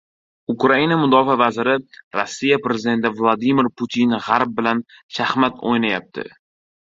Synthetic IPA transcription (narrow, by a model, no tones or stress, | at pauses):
ʊkɾainamʊd̪ɒfavazɪɾɪɾosːijapɾe̞zɪd̪e̞nt̪ɪvlˠad̪imɪɾput̪ʰinʁaɾb̚bɪlan | ʃahmat̪ʰo̰jnajap̚t̪ʰɪ̰